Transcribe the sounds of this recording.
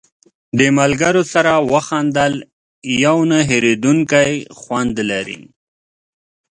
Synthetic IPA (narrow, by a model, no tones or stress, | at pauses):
d̪əmalɡaɾosaɾawəxand̪əl | jawnaɦeɾed̪uŋkajxwand̪laɾḭ